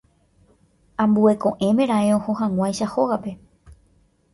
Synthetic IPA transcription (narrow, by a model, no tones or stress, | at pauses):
ãmbue̞kõ̞ʔẽ̞mẽ̞ɾ̃ãẽohohãŋʷãjʃahoɣape̞